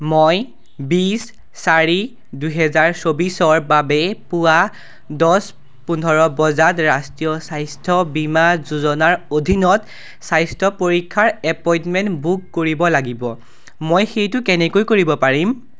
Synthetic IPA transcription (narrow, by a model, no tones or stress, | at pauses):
moj | bisː | aɹi | dujɦɛzaɹsobisɔɹbabɛpʊwa | dɔs | punʱɔɹɔbɔzatɹastɹijɔsajstʰɔbimazuzɔnaɹodʱinɔt | sajstʰɔpoɹikʰːaɹɛpɔjĩntmɛntbukːoɹibɔlaɡibɔ | mojxejtʊkɛnɛkojkoɹibɔpaɹim